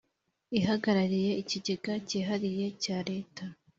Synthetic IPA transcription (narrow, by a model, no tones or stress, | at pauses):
iɦaɡaɾaɾije̞iciɟe̞ɡaciːɦaɾije̞caːɾe̞ːta